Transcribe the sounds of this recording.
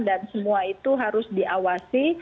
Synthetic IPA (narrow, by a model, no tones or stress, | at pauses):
dansəmuait̪uɦaɾʊsdiʔawasi